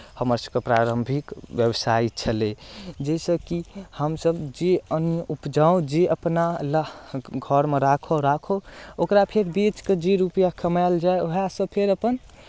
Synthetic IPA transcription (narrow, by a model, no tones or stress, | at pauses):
həməɾsəb̚kepɾaɾəmbʱikʋjəbsait͡ʃʰəled͡ʒesəkihəmsəbd͡ʒeənjəʔupd͡ʒaõd͡ʒeʔəpnalaɡʱəɾmeɾakʰoɾakʰookɾapʰeɾbit͡ʃked͡ʒiɾupjakʰəmald͡ʒaeoɦasə̃pʰeɾəpən